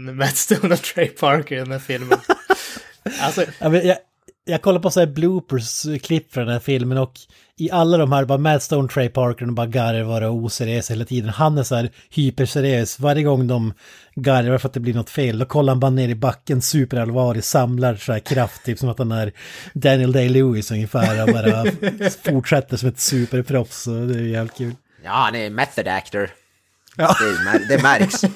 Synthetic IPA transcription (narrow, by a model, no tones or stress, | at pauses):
mæt̪st̪oʊnt̪ʰɾɛjpʰɑɾkəɾd̪ɛnd̪æːɾfɪlmən | alsɔaːmɛjɑ | jɑːɡkʰɔlːaɾpʰɔsɔæːɾbluːpəskʰlɪpːfœɖ̪ɛnhæːɾfɪlmənɔk | ɪʔalːad̪ɔmhæːɾbɑːɾamæt̪st̪oʊnt̪ʰɾɛɪpʰɑɾkənbɑːɾaɡaɾəɾvɑːɾauːsæɾɪøːseːlat̪ʰiːd̪ənhanːæʂɔæːɾ | hyːpəɾsæɾɪjøːsvaɾjəɡɔŋːd̪ɔm | ɡaɾɾaɾfɾat̪̚d̪ɛb̪lɪɳɔt̪ːfeːld̪ɔkʰɔlːəɾhanbɑːɾaneːɾɪbakːənsʉːpəɾalvɑːlɪsamlaɾsɔæːɾkʰɾaft̪ʰːyːpsɔmat̪hanæɾd̪ænɪəld̪eɪlʉːɪsɵŋjəfæːɾɔbɑːɾa | fʊʈʂɛt̪ːəʂɔmɛt̪sʉːpəɾpʰɾɔfsɔd̪ɛæjʉjæːvlɪt̪̚kʰʉ̟ːl | jɑ̰ːha̰nɛmɛθəd̪æ̰kt̪əɾ | jɑːd̪ɛmd̪ɛmæɾks